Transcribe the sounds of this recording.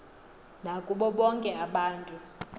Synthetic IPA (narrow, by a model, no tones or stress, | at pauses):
nakʼuɓɔɓɔŋkʼɛaɓaːntʼu